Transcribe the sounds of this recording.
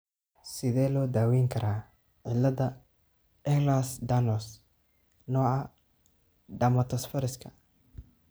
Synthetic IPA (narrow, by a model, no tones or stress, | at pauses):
sɪðɛːlɔːd̪aːwɛjŋkʰɐɾʔaː | ʕɪlːɐðɐ | ɛhlasd̪ɐnɔs | nɔːʕɑ | ɖɐmɐt̪ʰɐsfɐɾɪskʰɐ